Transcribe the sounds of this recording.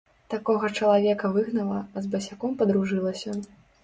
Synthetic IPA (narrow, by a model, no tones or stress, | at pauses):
t̪akɔɣɐt͡ʂɐlˠavʲɛkɐvɨɣnɐlˠɐɐzbɐsʲakɔmpɐd̪ɾuʐɨlˠɐsʲɐ